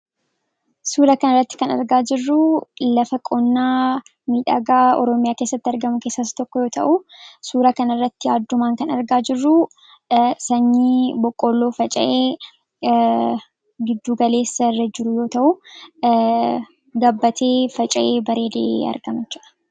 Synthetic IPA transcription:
suːɾɐkɐnɐrːɐt̪ːɪ̥kɐnɐ̰ɾɡaːd͡ʒɪrːʊlɐfɐkʼɔnːaː | miːᶑa̰ɡaːɔ̰ɾɔmɪjaːke̞ːsːɐt̪ːɪɐɾɡɐmʊke̞ːsːɐst̪ɔkːɔjo̞ːt̪ʰɐʔusuːɾɐkɐnɐrːɐt̪ːɪaːd̪ːʊmaːŋkɐnɐɾɡaːd͡ʒɪrːʊ | sɐɲːiːbɔkʼːoːlːo̞ːfɐt͡ʃʼɐʔe̞ː | ɡɪd̪ːuːɡɐle̞ːsːɐrːɐd͡ʒɪɾʊjo̞ːt̪ɐʔʊ | ɡɐbːɐt̪ʰe̞ːfɐt͡ʃʼɐʔe̞ːbɐɾe̞ːd̪ḛːʔɐ̰ɾɡɐmɪt͡ʃːɐᶑɐ̥

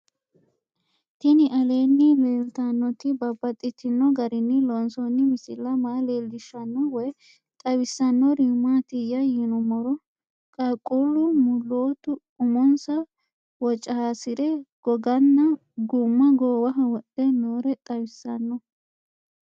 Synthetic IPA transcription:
t̪ɪnɪʔɐle̞ːnːɪmeːlt̪anːɔt̪ɪbɐbːɐt̪ʼːɪt̪ːɪnːɔɡɐɾɪnːɪlɔnsɔnːɪmɪsɪlːɐmaːleːld̪ɪʃːɐnːɔwɔj | t̪ʼɐwɪsːɐnːɔɾimːat̪ɪjɐjɪnɔmɔɾɔ | kʼakʼulːʊmʊlːoːt̪ʊ | ʊmɔnsɐ | wɔt͡ʃʼːɐhasɪɾɛɡ̥ɔɡɐnːɐ | ɡʊmːɐɡoːwɐɦɐwɔɗɛnoːɾɛt̪ʼɐwɪsːɐnːɔ

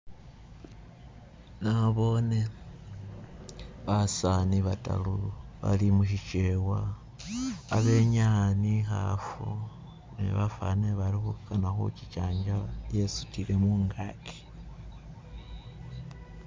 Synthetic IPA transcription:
naβo̞ne̞ | βasaniβata̰luβa̰limuʃit͡ʃe̞waː | βe̞ɲanixa̰fo | nḛβafa̰neβalixukanaxṵci̥t͡ʃaːɲd͡ʒaje̞su̥tiɾe̞muːŋɡakʰe̥

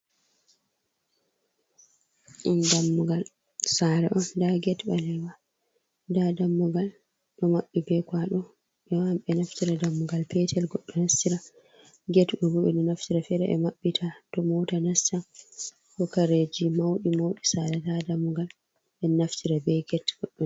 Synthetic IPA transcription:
ʔɛndamːuɡal | saɾɛ̰ʔɔndaɡɛtɓalɛwa | dadamːuɡal | ɗɔmaɓːibɛkwaɗɔ | ʔɛwamɓɛnaftiɾadamːuɡalpɛtʰɛlɡɔɗːɔnastiɾa | ɡɛtʔɔbuɛ̰ɗɔnaftiɾafɛɾɛʔɛ̰maɓːitʰatɔmɔtanastan | kɔkaɾed͡ʒimawɗimawɗisaɾɛdadamːuɡal | ɓɛnaftiɾabɛɡɛtɡ̥ɔɗːɔ

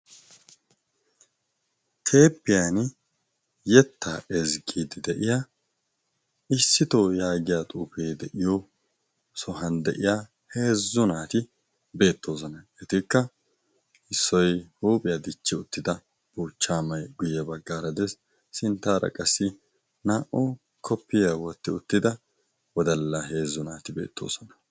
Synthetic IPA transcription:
tʰe̞ːpːɪjan | jɛt̪ːaːʔɛzɡiːd̪ɪd̪ɛʔɪjaː | ɪsːɪt̪oːjaːɡɪjat̪ʼuːfeːd̪ɛʔɪjɔ | sɔɦɐnd̪ɛ̰ʔɪjaː | heːzːʊnaːt̪ɪ | be̞ːt̪ːo̞ːs̬ɔnɐɪt̪ɪkːɐ | ɪsːɔjhuːpʼɪjad̪ɪt͡ʃːɪʊt̪ːɪd̪ɐ | b̥uːt͡ʃːaːmɐjɡʊjɛbɐɡːaːɾɐd̪ɛs | sɪnt̪ːaːɾɐ̰kʼɐsːɪ | naːʔɔ | kʰɔpːɪjawɔt̪ːɪʊt̪ːɪd̪ɐ | wɔd̪ɐlːahe̞ːzːʊnaːt̪ɪbeːt̪ʰːo̰ːsɔnɐ̥

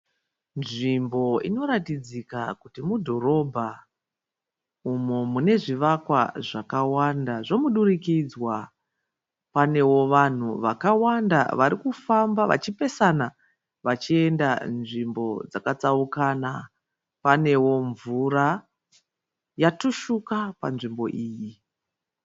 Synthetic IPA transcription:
nʐimbo̞ino̞ɾatid͡zikakutimudʱo̞ɾo̞bʱa | umomune̞ʐiʋakwaʐakawandaʐo̞muɗurikid͡zwa | pane̞wo̞ʋan̤uʋakawanda̰ʋaɾikufambaʋa̰t͡ʃipe̞sana | ʋat͡ʃie̞ndanʐimbo̞̰d͡zakat͡saukana | pane̞wo̞ɱvura | jatuʃukapanʐimbo̞ʔiːji

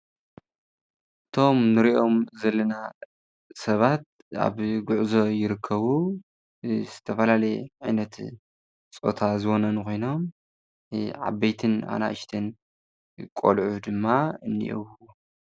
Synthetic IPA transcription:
ɨt̪ʰo̞mnɨɾiʔo̞mzɐlːɐna | sɐβat̪̚ | a̰βɡʊʕzo̞jɪɾɨkʰːɐβu | z̥ɨt̪ʰɐfɐlalɐjʕajnɐt̪ | t͡sʼo̞̰t̪ʰazɨɣonɐnkʰojno̞m | ʕa̰bːejt̪ʰɨna̰na̰ʔɨʃt̪ʰɐn | kʼo̰lʕud̪ɨmːaɨnːḭʔo̰wwo

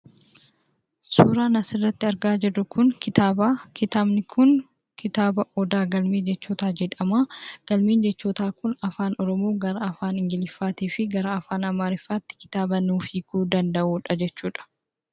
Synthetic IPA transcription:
suːɾaːnɐsɪrːɐt̪ːɪɐɾɡaːd͡ʒɛd̪ʊkʊnkɪt̪aːbaːkɪt̪aːbnɪkʰʊn | kʰɪt̪aːbɐʔɔd̪aːɡɐlmeːd͡ʒɛt͡ʃːoːt̪aːd͡ʒɛᶑ̪ɐmaːɡ̥ɐlmiːnd͡ʒɛt͡ʃːoːt̪aːkʊnɐfaːnɔɾɔmoːɡɐɾɐɐfaːnɪŋɡɪlɪfːaːt̪iːfɪɡɐɾɐɐfaːnɐmaːɾɪfːaːt̪ːɪ̥kɪ̥t̪aːbɐnuːfiːkuːd̪ɐnd̪ɐʔuːᶑɐd͡ʒɛt͡ʃːuːᶑɐ̥

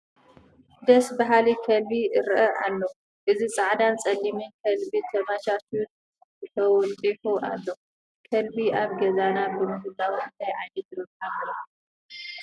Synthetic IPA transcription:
d̪ɐsbɐɦalikʰɐlbiɨɾʔɐʔa̰lːo | ʔɨzit͡sʼaʕd̪ant͡sʼɐlːimɨnkʰɐlbit̪ʰɐmat͡ʃat̪ʰiun | zɨt̪ʰɐwɔt̪ʼiħuʔalːo | kʰɐlbiaβɡɐzanabɨmɨhɨlːawiɨnt̪ʰajʕajnɐt̪ɾɨkalːo

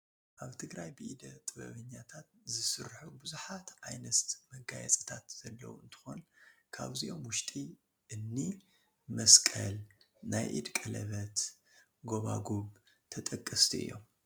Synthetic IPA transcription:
ʔaβt̪ʰɨɡɾajbɨʔid̪ɐt̪ʼɨβɐ̰βɨɲːat̪ʰat̪̚zɨsɨɾħubɨzuħat̪ʕajnɐst̪mɐɡajɛt͡sʼɨ̥t̪ʰat̪z̥ɐlːɐ̰wɨnt̪ʰɨ̥xonkʰa̰βziʔo̞mwʊʃt̪ʼi | ʔɨnːi | mɐskʼɐl | najʔḭd̪kʼɐlɐβɐt̪ | ɡo̞βa̰ɡoβ | t̪ʰɐt̪ʼɐkʼːɐst̪ʰiɨ̰jːo̞̰m

